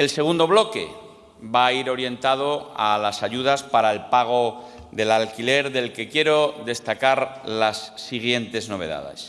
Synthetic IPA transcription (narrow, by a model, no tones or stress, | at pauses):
else̞ɣ̞und̪o̞β̞lo̞ke̞̰ | baiɾo̞ɾje̞nt̪aðoalasaʝuð̞aspaɾaelpaɣ̞o | ðe̞lalkile̞ɾðe̞lke̞kje̞ɾo̞ðe̞st̪akaɾlasːiɣje̞nt̪e̞zno̞β̞e̞̰ða̰ðe̞̰s